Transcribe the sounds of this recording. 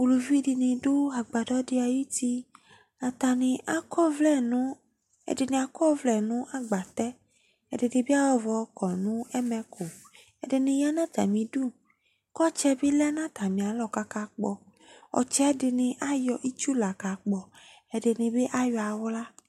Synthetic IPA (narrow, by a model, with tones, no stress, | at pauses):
u˨lu˨vi˦di˧nɪ̃˨dʊ˦a˨ɡ͡ba˨dɔ˦dɪ˦a˨ji˦t̪i˦ | a˨t̪a˨nɪ̃˨ʔa˨kɔ˦vlɛ˦˨nũ˦ | ɛ̰˨dɪ˨nĩ˨a˨kɔ˦vlɛ˨nũ˦ʔa˦ɡ͡ba˨t̪ɛ˦ | ɛ̰˨dɪ˨nɪ̃˨be˦a˦wɔ˦vɔ˨˦kɔ˨nũ˦ɛ˦mɛ˧kʰo˨ | ɛ˨dɪ˨nɪ̃˧ja˦nã˦t̪a̰˨mĩ˨du˦ | kɔ˦t͡ʃɛ˦bɪ˦lɛ˦nã˦t̪a˨mĩ˨a˨lɔ˨ka˦ka˨k͡pɔ˨ | ɔ̰˨t͡ʃɛ˦dɪ˧nɪ̃˧ʔa˦jɔ˨ʔi˦t͡ʃu˦la˨ka˨k͡pɔ˨ | ɛ˨dɪ˨nɪ̃˨be˦ʔa˦jɔ˨˧a˨wla˦